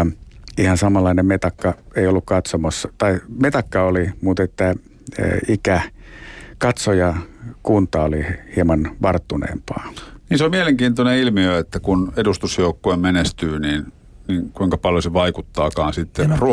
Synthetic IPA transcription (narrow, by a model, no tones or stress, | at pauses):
ihɑnsɑmɑlˑːɑinemmet̪ɑkːɑeiolːukkɑt̪somɑsːɑ̥t̪ɑimet̪ɑkːɑolimut̪et̪ːæ̰ | ikæ | kɑt̪sojɑkunt̪ɑolihiemɑnʋɑrt̪ːunḛːmpɑːniːnseommieleŋkiːnt̪oneilmiøet̪ːækunedust̪usjoukːoemmenest̪yːniːn | niːŋkuiŋkɑpɑljoseʋɑikut̪ːɑːkɑːnsit̪ːeru